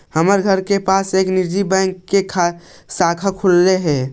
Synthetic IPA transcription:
həməɾɡʱəɾkepaːseːknid͡ʒibɛ̃ŋkːekʰa | saːkʰakʰʊlːeɦɛ̃ː

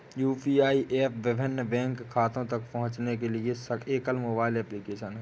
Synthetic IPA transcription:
juːpiaːiʔeːpʰʋɪbʱɪnːəbɛ̃ːŋkʰːaːt̪õt̪ɐkpɐɦʊ̃t͡ʃnek̬eliesəeːkəlmoːbaːɪlɛːplikeːʃənɦɛ

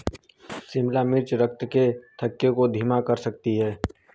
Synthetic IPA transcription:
sɪmlamɪɾt͡ʃɾək̚t̪ket̪ʰəkːjokod̪ʱiːmakɐɾsɐk̚t̪iɦɛː

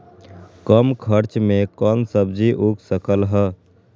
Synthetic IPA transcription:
kəmkʰəɾt͡ʃmẽkɔːnsəbd͡ʒiʔukʰsəkəlɦɛ

